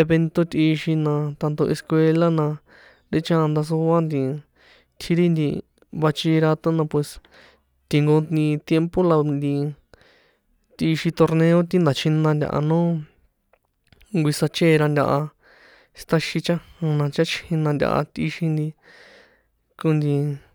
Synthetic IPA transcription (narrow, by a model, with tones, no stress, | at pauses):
e˧βe˧nt̪o˧t̪ʲi˧ʃi˧nã˧t̪a˧nd̪o˧ʔe˧skwe˧la˦nã˧ | ɾe˦t͡ʃã˦˧nd̪a˧s̬u˧a˦nd̪ĩ˧ | t̪ʰi˧ɾi˦nd̪i˧ | βa˧t͡ʃi˧ɾa˧t̪õ˦nã˧pwe˧s | t̪i˨ŋɡo˧ĩ˧t̪je˧mpo˦la˧nd̪ĩ˧ | t̪i˧ʃi˧t̪o˧ɾnẽ˧o˦t̪ĩ˦nd̪a˨t͡ʃʰĩ˧nã˧nd̪ʲa̰˧ʔa̰˧nõː˦ | ŋɡʷi˧sa˧t͡ʃeː˦˧ɾa˧ndʲa̰˧ʔa˧ | st̪a˧ʃi˧t͡ʃã˦hã˧nã˧t͡ʃa˦t͡ʃĩ˧nã˧ndʲa̰˧ʔa̰˧t̪i˧ʃi˧nd̪i˧ | ku˧nd̪i˧